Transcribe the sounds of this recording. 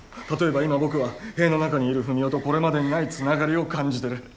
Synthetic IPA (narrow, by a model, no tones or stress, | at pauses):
t̪at̪o̞e̞baimabo̞kɯ̟βahe̞ːno̞nakaɲ̟iːɾɯ̟ɸɯ̟mʲjo̞ːt̪o̞ko̞ɾe̞mad̪e̞ɲinait͡sɨnaɡaɾʲio̞kãɲ̟d͡ʑit̪e̞ɾɯ̟